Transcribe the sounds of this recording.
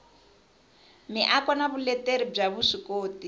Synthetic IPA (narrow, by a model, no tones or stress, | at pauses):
miʔakɔnaβulɛteɾib͡ʐaβuʂikoːti